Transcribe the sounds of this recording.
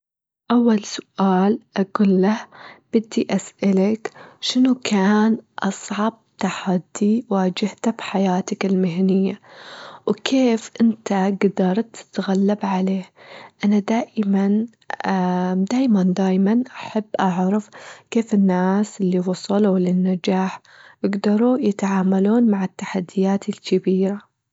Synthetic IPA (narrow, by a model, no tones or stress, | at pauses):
ʔawːalsʊ̥ʔaːlʔaɡuːlːahb̥ɪd̪ːiʔasʔalakʃɪnukaːnʔɑsˤʕɑb̚t̪aħad̪ːiwaːd͡ʒɪht̪abħajaːt̪akɪlmɪɦnɪjːawkʰeːfʔɪnt̪aɡd̪ɑɾˤt̪ːɪ̥t̪ɣalːabʕaleːhʔanad̪aːʔman | ad̪aːjmand̪aːjmanʔaħabːʔɑʕɾˤɑfkeːfɪnːaːsʔɪlːiwɑsˤɑlwlɪnːad͡ʒaːħ | jɪɡd̪ɑɾˤujɪt̪ʕaːmaluːnmaʕɪt̪ːaħad̪ːɪjaːt̪ɪlkɪbiːɾa